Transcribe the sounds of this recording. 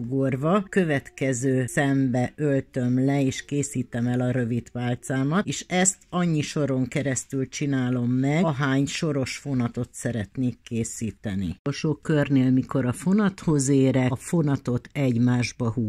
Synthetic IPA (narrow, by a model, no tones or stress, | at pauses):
ɡorvɒkø̞vɛt̪kɛzøːsɛmbɛʔølt̪ø̞mlɛeːʃkeːsiːt̪ɛmɛlɒɾø̞vit̪paːlt̪saːmɒt̪eːʃɛst̪ɒɲːiʃo̞ɾo̞ŋkɛɾɛst̪ylt͡ʃinaːlo̞mːɛɦaːɲʃo̞ɾo̞ʃfo̞nɒt̪o̞t̪sɛɾɛt̪neːkːeːsiːt̪ɛnḭolʃoːkørneːlmiko̞ɾɒfo̞nɒt̪ho̞zeːɾɛfo̞nɒt̪o̞t̪ɛɟmaːʒbɒhuː